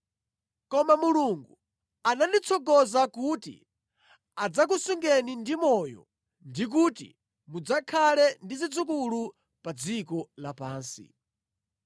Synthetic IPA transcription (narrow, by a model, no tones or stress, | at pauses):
kɔmamuluŋɡu | anandit͡sʰɔɡɔzakutḭ | ad͡zak̬usuŋɡɛnindimɔjɔ̰ | ndik̬utḭ | mud͡zakʰalɛndizid͡zuk̬ulu | pad͡zikɔlapaːnsḭ